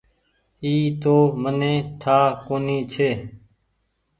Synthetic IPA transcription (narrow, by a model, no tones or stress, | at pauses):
iːt̪oːmənẽːʈʰaːkoːniːt͡ʃʰeː